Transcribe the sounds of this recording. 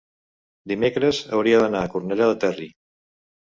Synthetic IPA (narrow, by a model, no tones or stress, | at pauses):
d̪imekɾəzə̰wɾiaðənaːkuɾnɛʎaðət̪ɛri